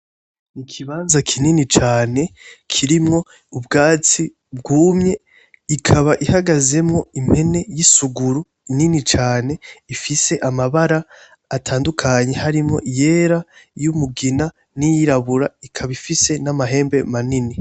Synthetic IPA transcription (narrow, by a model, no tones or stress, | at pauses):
ikʰiβaːnzakʰininit͡ʃaːne̞kʰiɾimŋo̞ | ubɡaːt͡si | bɡuːmɲe̞ | ikʰaβaʔihaɡaze̞mŋo̞im̥he̞ne̞jisuɡuɾu | ininit͡ʃaːne̞ifise̞ʔamaβaɾaː | tʰaːndukʰaɲe̞haɾimŋo̞̰ʔije̞ːɾajumuɡina | nijiɾaβuɾaikʰaβifise̞namaɦe̞ːmbe̞manini